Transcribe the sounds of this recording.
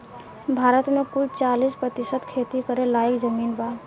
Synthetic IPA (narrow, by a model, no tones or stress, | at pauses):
bʱaɾət̪mekult͡ʃalispɾət̪isəd̪kʰet̪ikəɾelajəkd͡ʒəmiːnba